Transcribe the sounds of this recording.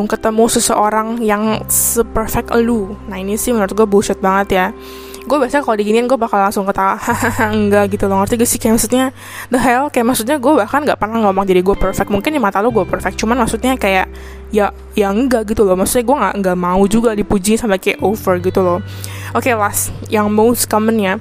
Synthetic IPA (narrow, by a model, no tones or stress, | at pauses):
kət̪əmusəsəʔoɾaŋjaŋsəpərfɛk̚t̪lunainisɪhmənəɾʊt̪̚ɡuɛbuʃət̪̚baŋət̪ja | ɡuɛbiasaakalodiɡininɡuɛbahkallaŋsʊŋkət̪ahhəŋɡaɡit̪ulɔŋərt̪iɡsɪhkajaʔmaksut̪̚ɲa | d̪əɦɛlkajaʔmaksut̪̬ɲaɡuɛbahkanɡaʔpərnaŋɡaomaŋd͡ʒadiɡuɛpərfɛk̚muŋkɪnimat̪aluɡuapərfɛk̪̚t͡ʃumanmaksut̪̚ɲakajaʔ | jaʔ | jaəŋɡaɡit̪ulɔhmaksut̪̚ɲaɡuɛŋɡaʔŋɡamaud͡ʒuɡadipud͡ʒinsamɛkeʔofərɡit̪ulɔh | ʔokelasjaŋmoskəmənja